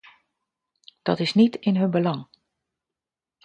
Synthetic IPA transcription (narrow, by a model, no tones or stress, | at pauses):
d̥ɔ̰tɪsnitɪnɦɵnbəlɑŋ